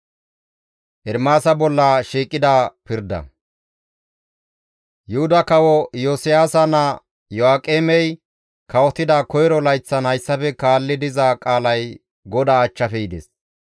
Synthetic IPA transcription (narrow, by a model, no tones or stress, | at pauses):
ʔɛɾmaːsɐbɔlːaʃiːkʼːɪd̪aːpɪɾd̪ɐ̰ | jʊhʊd̪ɐkɐwɔjoːsɪjaːsɐnɐ | jɔaːkʼːeːmɛj | kɐwɔt̪ɪd̪akɔjɾɔlɐjt͡sːɐnhɐjsːɐfɛkaːlːɪd̪ɪzakʼaːlɐj | ɡɔd̪aːt͡ʃːɐfɛɪd̪ḛs